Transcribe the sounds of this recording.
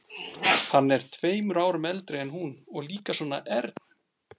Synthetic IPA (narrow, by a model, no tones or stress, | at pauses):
hanːɛɾ̥t̪ʰveːjmɾaːwɾʏmɛlt̪ɾɪɛnɦunɔɣliːkasɔːnaʔɛɾt̪n